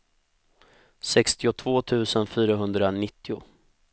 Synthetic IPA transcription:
sɛkst̪ɪʊt̪ʰv̥oːt̪ʰʉ̟ːsənfyːɾaɦɵnd̪ɾanɪt̪ːɪʊ

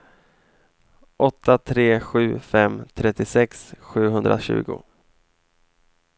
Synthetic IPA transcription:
ʔɔt̪ʰːat̪ʰɾeːɧʉ̟ːfɛmt̪ʰɾɛt̪ːɪsɛksɧʉ̟ːɦɵnd̪ɾʔa̰ɕʉ̟̰ːɡʊ̰

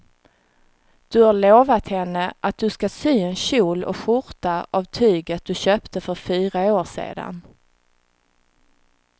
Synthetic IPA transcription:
d̪̥ɵhaɭoːvat̪hɛnːəʔat̪̚d̪ɵskasyːɛnɕuːlɔ̰kɧʊɾt̪aʔavt̪ʰyːɡət̪̚d̪̥ɵɕøːpt̪ʰəfœɾfyːɾaoːʂḛːd̪a̰n

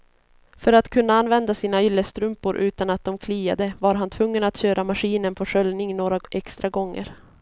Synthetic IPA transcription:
fœɾat̪kʰɵnːaanvɛnd̪asiːnaɪlːəst̪ɾɵmpʊɾʔʉ̟ːt̪anat̪̚d̪ɔmkʰliːa̰d̪əvaɾɦant̪ʰvɵŋːənat̪ɕøːɾʔamaɧiːnənpʰɔʂœlnɪŋnoːɾaʔɛkst̪ɾaɡɔŋːə̰ɾ

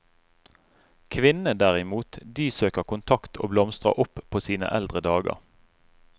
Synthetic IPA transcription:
kʰʋɪnəd̪æʁɪmuːt̪d̪iːsøːkəʁkʊnt̪ʰɑkt̪ʰo̰ːblɔmst̪ʁə̰ʔʊpʰoːsiːnə̰ʔɛld̪ʁəd̪ɑːɡə̰ʁ

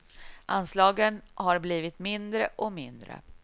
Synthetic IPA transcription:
ʔanslɑːɡənhaɾbliːvɪt̪mɪnd̪ɾəʔɔmɪnd̪ɾə̰

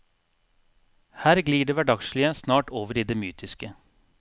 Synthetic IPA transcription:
hæːɾɡliːɖeːʋæɖɑɡʃlɪəsnɑːʈoːʋəɾiːd̪eːmyːt̪ʰɪskə

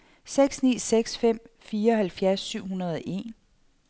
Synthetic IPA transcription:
seɡ̥snḭːseɡ̥sfem̰fiːɐɒ̽ɦælfjæɐsːyʊ̰ɦunɐð̞ˠɒʔe̝̰n

